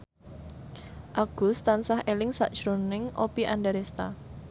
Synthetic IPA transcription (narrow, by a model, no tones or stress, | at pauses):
ʔaɡ̥ʊ̤st̪ansahelɪŋsa̰ʔd̥ʒ̥ɾonɪŋʔopiʔandaɾest̪a